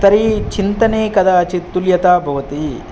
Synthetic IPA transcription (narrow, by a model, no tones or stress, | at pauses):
t̪ɐɾit͡ʃint̪ɐneːkɐd̪ɐːt͡ʃit̪ːuljɐt̪aːbʱɐʋɐt̪i